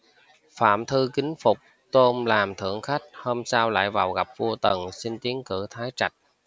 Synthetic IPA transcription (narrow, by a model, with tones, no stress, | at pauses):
fa̰ː˧˨mt̪ʰɨ˧kï˨˦ŋ̟fʊ˨˩k͡p̚ | t̪o˧mlaː˨˩mt̪ʰɨ̰˧˩əŋxa˦˥jk̟̚ho˧msaː˧wla̰ː˧˨jvaː˨˩wɣa˨˩p̚vu˧ət̪ə˨˩nsi˧ŋt̪i˨˦əŋkɨ̰˧˩t̪ʰaː˨˦jt͡ɕa˨˩jk̟̚